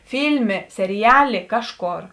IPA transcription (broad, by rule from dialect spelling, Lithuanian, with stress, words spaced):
ˈfʲiːlʲmʲeː sʲɛrʲɪˈjæːˌlʲeː ˈkɑːʃˌkoːr